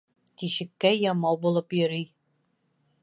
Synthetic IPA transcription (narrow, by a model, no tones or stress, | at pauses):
kiɕɘ̆kːæjɒmɑwbulˠɤpjɵ̆ɾij